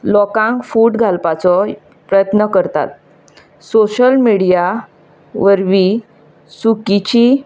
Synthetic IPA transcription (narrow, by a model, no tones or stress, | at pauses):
lɔkãŋkfuːʈɡʱalpat͡sɔ | pɾəjət̪nəkəɾt̪a̰t̪̚ | soɕəlmiɽija | ʋəɾʋi | sukit͡ɕi